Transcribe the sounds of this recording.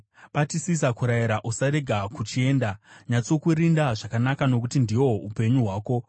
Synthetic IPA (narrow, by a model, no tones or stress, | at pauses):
ɓatisis̬akuɾajiɾaʔusaɾe̞ɡʱakut͡ʃie̞ːndaɲat͡so̞kuɾindaʐakanakano̞kutindiwo̞upe̞ɲuɦwaːko̞